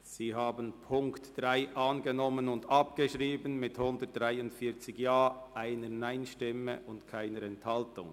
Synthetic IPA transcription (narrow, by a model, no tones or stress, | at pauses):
z̥iːɦaːbənpʰʊŋktd̥ʁaɪʔɑːnɡənɔmənʊndɑp̚ɡ̥əʃʁiːbənmɪthʊndət̚d̥ʁaɪʊntfiːɐt͡sɪɡjaːʔaɪnənaɪnʃtɪmə̰ʔʊntkʰaɪnəɾɛnthɑltʊŋ